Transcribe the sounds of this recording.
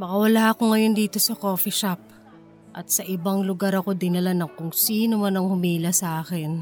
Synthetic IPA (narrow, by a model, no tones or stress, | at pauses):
mɐkɐwɐlaːʔɐko̞ŋɐjo̞nd̪iːt̪o̞sɐko̞ːfɪʃap̚ | ʔɐt̪̚sɐʔɪbaŋlʊɡaɾɐko̞d̪ɪnɐlanɐŋkʊŋsiːno̞manɐŋhʊmiːlɐsɐʔaːkɪn